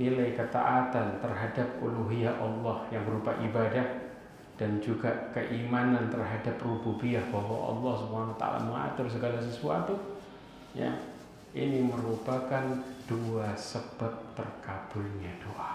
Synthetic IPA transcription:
nilajkət̪a̰ʔat̪ant̪ərɦadap̚uluɦiaʔɑlːɑhjaŋbəɾupaʔibadah | d̥and͡ʒuɡakəʔimanant̪ərɦadaprububiahbaɦwaʔɑ̰lːɑhsubəanawat̪a̰a̰la̰məŋa̰t̪ʊrs̬əɡalas̬əsua̰t̪u | ja̰ | ʔiniməɾupakand̥uasəbat̪̚tərkab̥ʊlɲadoʔa

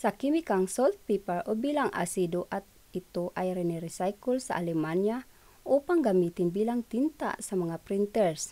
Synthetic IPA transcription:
sakimikaŋsɔlt̪̚pipəɹobilaŋa̰sidoʔat̪̚ | it̪uʔajɾɛnɛɾisajkulsa̰ʔalɛmanja | ʔupaŋɡamit̪inbilaŋt̪int̪a̰samaŋapɾint̪ɛɹs

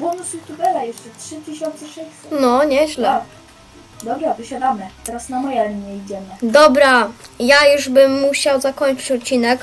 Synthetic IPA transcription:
bɔnusjut̪ubɛlajɛʂt͡ʂɛtʂɘt̪ɘɕɔnt̪sɛʂɛsut̪nɔɲɛʑlɛ | d̪ɔbɾavɘɕad̪amɘt̪ɛɾasnamɔjɛlɲɛid͡ʑɛmɘd̪ɔbɾajajuʐbɘmːuɕawzakɔɲt͡ʂɘ̥t͡ɕɔt̪̚t͡ɕːinɛk

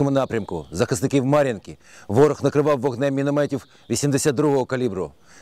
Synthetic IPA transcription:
ɔmʊnɑpɾʲɐmkʊ̰zɐxɐznɪkʲiwmɑɾʲɐnkʲiʋɔɾɔxnɐkɾɪʋɑwːɔɦnɛmʲinɔmɛtʲiw | ʋʲisʲimd̪esʲad̪d̪ɾuɦɔɦɔkɐlʲibɾʊ

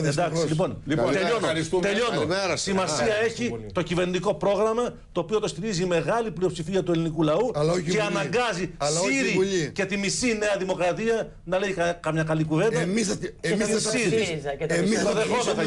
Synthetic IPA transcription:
ðend̪ɐksilipo̞nlot̪eʎonɾisut̪e̞ʎo̞nosimɐsiɐe̞çit̪ocive̞ɾnid̪iko̞pɾo̞ɣɾɐmɐ | t̪o̞ːpio̞t̪o̞st̪iɾizime̞ɣɐliplio̞psifiɐt̪ue̞linikulɐuloeɐnɐŋɡɐzisiɾiʎce̞t̪imisine̞ɐðimo̞kɾɐt̪iɐ | nɐle̞jkkɐmɲɐkɐlikuve̞nd̪mis | siɾ | ioðexomen

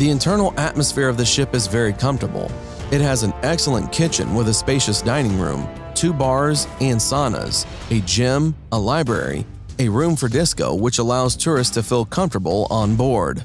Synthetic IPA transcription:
ðiɨ̃ntʰɜ̃˞nl̩ˠʔæt̚məsfɪɹʌvðɨʃɪpɨzvɛɹikʰʌ̃ɱftə˞bl̩ˠ | ɨt̚ɦɨz̃n̩ɛksl̩ˠə̰̃nkʰɪt͡ʃɨ̰̃nwəðɨspeɪʃɨsd̥ãɪ̃ñɪ̃ŋɹʉ̰̃m | tʰʉbɑɹzɨ̃nsɑnə̰z̥ | ɨd͡ʒɪ̃məlaɪbɹɛ̰ɹḭ | ɨɹʉ̃ɱfə˞dɪskoʊwɨt͡ʃəlaʊz̥tʰʊɹɨstʰɨfɪlˠkʰʌ̃ɱftə˞bl̩ˠə̃nbɔɹd̥

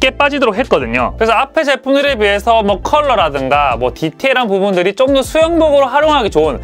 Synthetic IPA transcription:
k͈e̞p͈ad͡ʑidoɾokʰɦet̚k͈ʌdɯɲo̰kɯɾesʰʌapʰe̞d͡ʑe̞pʰudɯɾɯɭbiɦe̞sʰʌmwʌkʰʌɭːʌɾadɯŋɡamwʌtitʰeiɾanpubundɯɾit͡ɕ͈omdʌsʰujʌŋboɡɯɾoɦaɾjoŋɦaɡet͡ɕoɯn

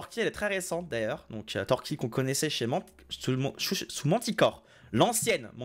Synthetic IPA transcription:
ʁkʲiɛlɛt̪χɛʁesɑ̃t̪̚d̪ajœːʁd̪ɔ̰̃kʰø̰t̪ɔʁkʲikɔ̃kɔnɛsɛʃemɑ̃ | sũʃuʃsumɑ̃t̪ikɔːʁ | lɑ̃sjɛnmɑ̃

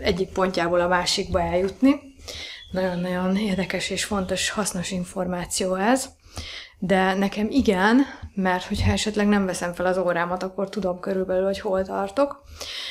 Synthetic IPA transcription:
ɛɟːik̚po̞ɲcaːboːlɒmaːʃiɡ̚bɒɛljːut̪ni | nɒɟo̞nːɒɟo̞neːrd̪ɛkɛʃeːʃfo̞n̪t̪o̞ʃhɒsno̞ʃiɱfo̞rmaːt̪sijoːɛz | d̪ɛnɛkɛmiɡɛnmɛrt̪ho̞chɒɛʃɛt̪lɛɡnɛɱvɛsɛɱfɛlɒzoːɾaːmɒt̪ɒkːo̞rt̪ud̪o̞mkøɾylbɛlylho̞cholt̪ɒrt̪o̞k

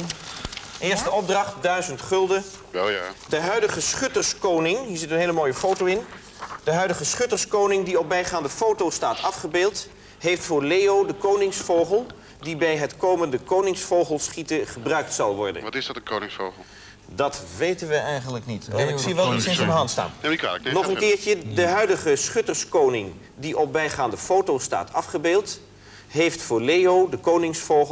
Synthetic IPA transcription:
ʔɪːɹstəɔb̚drɑχt̚dœɥzəntχɵlˠdəʋɛjadəɦœɥdəχəsχʏtərskownɪŋɦiːɹzɪtənɦeɪjləmoːjəfowtowɪn | d̥əɦœɥdəχəsχʏtərskownɪŋdiɔp̚bɛjχaːndəfowtowstaːtɑfχəbeːlˠt | ɦejftfʊːɹlejowdəkownɪŋsfowχəlˠ | dibɛjɦətkowməndəkownɪŋsfowχəlˠsχitəχəbrœɥk̚tsɑlˠʋɔ̰ɹdə̰nʋɑtɪzdɑtənkownɪŋsfowχlˠ | dɑtʋejtənʋəɛjχənləknitɛnɪsiʋɛlˠisɪnsəndəɦɑntsta̰ːnika̰nɔχənkɪːɹcədəɦœɥdəχəsχʏtəɹskownɪŋ | diʔɔp̚bɛjχaːndəfowtowsta̰ːtʰɑfχəbeːlˠt | ɦejftfʊːɹlejowdəkownɪŋsfow

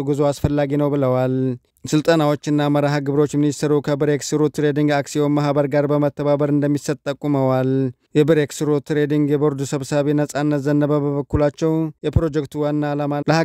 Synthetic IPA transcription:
ɡuzoasfəlːaɡinəwbɨləwal | sɨlt̪ʼənawo̞t͡ʃːɨnːaməɾaɦaɡɨβɾot͡ʃːminist̪ʰəɾukʰəbɨɾeksɨɾot̪ɾed̪iŋɡaksiomaɦbəɾɡaɾbəmət̪ːəβabəɾɨnd̪əmːisət̪ʼt̪ʼːəkʼːuməwal | jɛbɨɾeksɾot̪ɾed̪iŋɡjɛbo̞ɾd̪usəβsaβenəsʼanːət̪zənːəβəbəβəkːulat͡ʃːɛwjɛpɾo̞d͡ʒɛkt̪ʰuwanːalamaləha

